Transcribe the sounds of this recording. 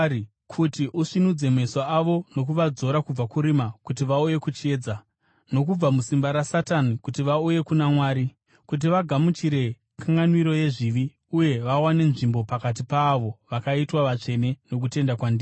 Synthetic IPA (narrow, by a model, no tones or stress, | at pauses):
kʰutiʔuʂinud͡ze̞mwe̞soaʋo̞no̞kuʋad͡zo̞ɾakub͡vakuɾimakutiʋauje̞kut͡ʃeːd͡za | no̞kub͡vamusimbaɾasatanikutiʋauje̞kunamwaːɾi | kut̬iʋaɡʱamut͡ʃiɾe̞ | kʰaŋɡanwiɾo̞je̞ʐiʋi | uje̞ʋawane̞nʐimbo̞pakat̬ipaːʋo̞ʋakaitwaʋat͡ʂe̞ne̞no̞k̬ute̞ndakwandiː